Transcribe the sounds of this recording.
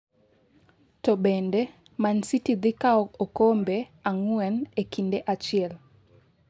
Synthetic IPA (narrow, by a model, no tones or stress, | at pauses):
tɔɓɛnde | mansitid̪ikaɔokombeaŋwɛnekindeʔat͡ʃɪɛl